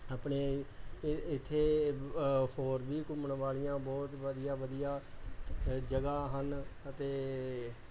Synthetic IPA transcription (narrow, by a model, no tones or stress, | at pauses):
aːpɳeː | ɪt̪ʰːeː | hoːɾbiːkʊməɳʋaːɭɪjãːbɔːt̪ʋəd̪ijaːʋəd̪ijaː | d͡ʒəɡaːɦənət̪eː